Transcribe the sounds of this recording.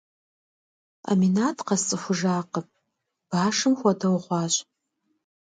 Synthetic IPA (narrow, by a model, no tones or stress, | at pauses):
a̰minaːtʰqɑst͡sʼɨxʷʊʒaːqəpʼ | b̥aːʂɨmxʷɐdɐwʁʷɑːɕʷʼ